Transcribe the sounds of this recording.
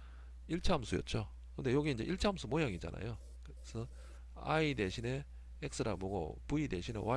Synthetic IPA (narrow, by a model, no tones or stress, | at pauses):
iɭt͡ɕʰamsʰujʌ̰t̚t͡ɕ͈o | kɯnde̞joɡiind͡ʑe̞ʔiɭt͡ɕʰamsʰumoɲaŋid͡ʑa̰na̰jo | k | sʰʌ | a̰ide̞ɕʰine̞ | ek̚s͈ɯɾamoɡo̰puide̞ɕʰine̞̰wa